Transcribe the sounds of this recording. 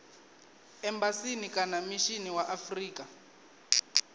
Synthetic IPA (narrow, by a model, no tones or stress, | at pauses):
ɛmbasinikʼanamiʃiniwaʔafriːka